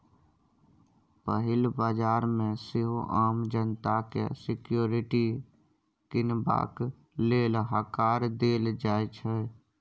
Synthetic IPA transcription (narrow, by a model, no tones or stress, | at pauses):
pəɦɪlbaːd͡ʒaːɾmẽsɪɦoʔaːmd͡ʒənt̪akḛsɪkjoːɾɪʈi | kɪnba̰ːk | leːlɦakaːɾd̪eːld͡ʒaːet͡ʃʰɛ